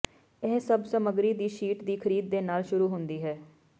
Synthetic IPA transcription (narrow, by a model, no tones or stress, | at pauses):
ɛːsəbsəməɡɾiːd̪iːʃiːʈd̪iːkʰəɾiːd̪̚ːeːnaːlʃʊɾuːɦʊnd̪iːɦɛː